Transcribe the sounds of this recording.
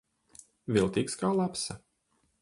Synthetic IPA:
vʲilˠt̪ʲiːkskaːlˠapsa

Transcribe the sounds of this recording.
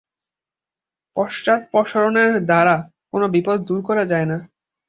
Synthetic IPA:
pɔʃʈat̪̚pɔʃoɾoneɾd̪ʱaɾa | konobipod̪̚ʱd̪uɾkɔɾad͡ʑaena

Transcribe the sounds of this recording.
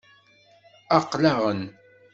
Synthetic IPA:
ɑqːlaʁən

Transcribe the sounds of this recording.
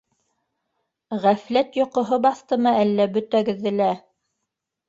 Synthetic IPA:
ʁæflæt̪jŏqŏɦobɑθt̪ɤmɤælːæbɵ̆t̪æɡɘ̆ðːɘ̆læ

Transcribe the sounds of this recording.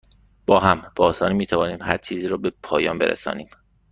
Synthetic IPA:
b̥ɒːɦæmb̥ɒːsɒːniːmiːt̪ʰævɒːniːmhæɾt͡ʃʰiːziːɾɔːbepʰɒːjɒːmbe̞̰ɾḛsɒ̰ːniːm

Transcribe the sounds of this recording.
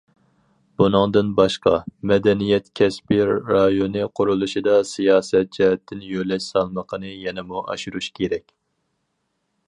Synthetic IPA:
b̥unɨŋd̪ɨnbɑʃqɑmɛd̪ɛnijɛt̪kʲʰɛspiɾɑjonɨqʰʊɾulˠuʃid̪ɑsijɑːsɛt̪̚d͡ʒɛɦɛt̪ʰːɪnjølɛʃsɑlˠməqʰənɨjɛnɛmuʔɑ̰ʃuɾuʃkʲʰeɾɛkʲ

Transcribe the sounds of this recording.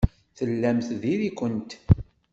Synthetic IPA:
θəlːæmθðiɾikʷənt̪

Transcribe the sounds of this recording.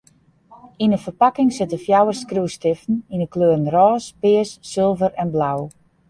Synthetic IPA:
inəfərpakɪŋsɪtəfjawərskruːstɪfn̩inəkløːɾənrɔːspɪəsːɪlˠvəɾɛnblaw

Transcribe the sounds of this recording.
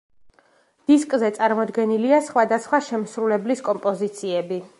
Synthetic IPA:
d̪̥iskʼzɛt̪sʼaɾmɔd̪ɡɛniliasχwad̪asχwaʃɛmsɾulɛbliskʼɔmpʼɔzit̪sʰiɛbi

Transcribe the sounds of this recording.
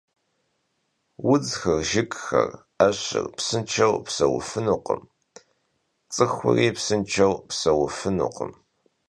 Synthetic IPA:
wʊd͡zxɨrʒɪkʼxɐ̰r | ɐɕɪ̰rpsɨnt͡ʃʰɐwpsɐwʊ̰fɨnuqəm | t͡sʼɨxʷʊ̰riːpsɨnt͡ʃʰɐwpsɐwʊfɨnṵqəm

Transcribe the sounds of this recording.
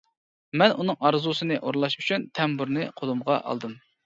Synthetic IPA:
mɛnʔunɨŋɑɾzusɨnɨʔoɾlˠɑʃyt͡ʃʰynt̪ʰɛmbuɾnɨqʰolumʁɑ̰ʔɑ̰lˠd̪ɨm

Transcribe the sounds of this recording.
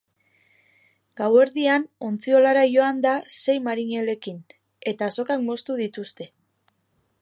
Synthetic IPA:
ɡ̥awe̞ɾðiano̞nt͡sio̞laɾajo̞and̪ase̞jmaɾiɲe̞le̞kin | e̞t̪aːso̞kakmo̞st̪uðit̪ust̪e̞

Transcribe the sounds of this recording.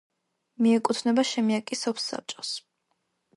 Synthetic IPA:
miɛkʼut̪ʰnɛbaʃɛmiakʼisɔpʰsːa̰p̚t͡ʃʼɔs

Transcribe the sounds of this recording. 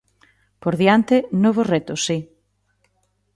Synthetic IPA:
poɾðjant̪enoβ̞oret̪osːi

